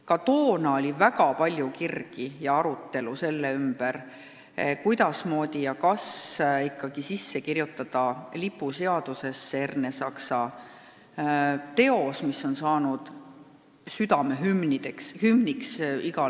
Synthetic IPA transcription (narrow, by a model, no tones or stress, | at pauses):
kɑt̪o̞ːnɑo̞lʲivæɡ̥ɑpɑlʲjukirɡ̥ijɑɑɾut̪ˑːe̞luse̞lːeymb̥er | kujd̪̥ɑsmo̞ːd̪̥ʲijɑkɑsikːˑɑɡ̥isisːe̞kirjut̪ːˑɑd̪̥ɑlipːˑuse̞ɑd̪̥use̞sːeerne̞sɑksɑ | t̪e̞o̞smiso̞nsɑːnud̪̥ | syd̪̥ɑme̞ɦymnid̪̥ekshymniksiɡɑ